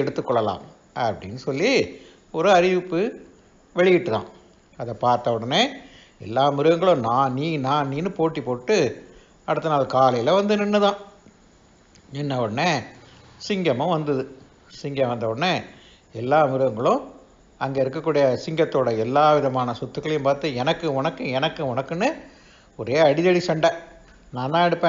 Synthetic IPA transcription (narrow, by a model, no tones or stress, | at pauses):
ɛɽɯt̪ːɯkːɔɭːɐla̰ːm | ɐpːɐɽɪnːɯsɔlːi | ɔɾɯɐɾɪʋɪpːɯ | ʋɛɻɪjɪʈːɯt̪ã̰ː | ɐðɐpaːɾt̪ɐɔɽɐneː | ɛlːaːmɪɾɯʋɐŋɡɐɭʊ̃naːniːnaːniːnɯpoːʈːipːoːʈːɯ | ɐɽɯt̪ːɐnaːlkaːlɐjɪlɐʋɐnd̪ɯnɪnːɯðãː | ɛnːɐʋɔɽnːe | sɪŋɡɐmɐ̃ʋɐnd̪ɐðɯ | sɪŋɡɐʋɐnd̪ɐʋɔɽɐnːe | ɛlːaːmɪɾɯʋɐŋɡɐɭʊ̃ | ɐŋɡeːɪɾɯkːɐkːuːɽijɐsɪŋɡɐt̪ːoːɽɐɛlːaːʋɪðɐmaːnɐsɔt̪ːɯkːɐɭɐjʊ̃mpaːɾt̪ɯɛnɐkːɯʋɔnɐkːɯ̃ɛnɐkːɯɔnɐkːɯnɯ | ɔɾeːɐɽɪðɐɽisɛɳɖɐ | nãːnt̪ãːɛɽɯpːẽː